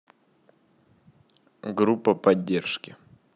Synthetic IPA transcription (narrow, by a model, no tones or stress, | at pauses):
ɡɾupːəpɐdʲːerʂkʲɪ